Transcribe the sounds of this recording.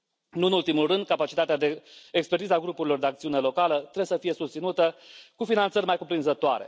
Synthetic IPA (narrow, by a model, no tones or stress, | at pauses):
nuɨnult̪imulrɨnd̪̚kapat͡ʃit̪at̪ead̪e̞ekspert̪izaɡɾupuɾilo̞rd̪e̞akt̪siune̞lo̞kalət̪ɾebesəfije̞sust̪sinut̪əkufinant̪sərʲmajkupɾinzət̪oaɾe̞̰